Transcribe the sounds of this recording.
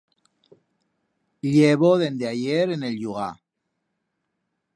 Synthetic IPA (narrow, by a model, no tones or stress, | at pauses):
ʎeβoðe̞nd̪eaʝeɾene̞lʎuɣa̰